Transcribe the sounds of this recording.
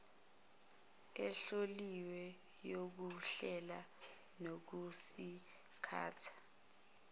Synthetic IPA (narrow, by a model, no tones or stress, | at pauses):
ɛɬoliwɛ | jok̬uɬɛla | nok̬usi | kʰa̰ːtʰḁ